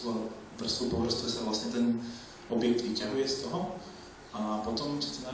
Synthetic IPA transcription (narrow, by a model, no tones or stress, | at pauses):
la | br̩supɔvrst̪usavlasɲɛt̪ɛn | ʔɔbjɛk̚t̪ʋicaɦujɛst̪ɔɦɔ | apɔt̪ɔmt͡ʃɛ̥t̪ɛna